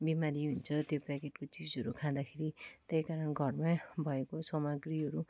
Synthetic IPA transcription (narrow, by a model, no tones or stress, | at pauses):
bimaɾiɦunt͡sʰʌt̪jopakeʈkot͡sid͡zʌɾukʰãd̪akʰeɾit̪ejkaɾʌnɡʱʌrmabʱʌekosʌmʌɡriɦʌɾu